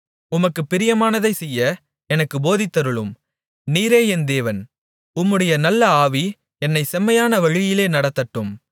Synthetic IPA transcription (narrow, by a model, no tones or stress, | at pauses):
ʊmɐkːɯpːɪɾɪjɐmaːnɐðɐɪsɛjːɐ | ɛnɐkːɯboːðɪt̪ːɐɾɯɭɯm | niːɾeːɛnd̪eːʋɐn | ʊmːɯɽɐjɐnɐlːɐaːʋi | ɛnːɐɪsɛmːɐjaːnɐʋɐɻɪjɪleːnɐɽɐt̪ːɐʈːɯm